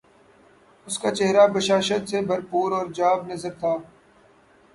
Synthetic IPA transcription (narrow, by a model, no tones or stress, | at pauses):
ʊskaːt͡ʃeɦɾaːbəʃaːʃət̪sebʱəɾpuːɾɔːɾd͡ʒaːbnəzəɾt̪ʰaː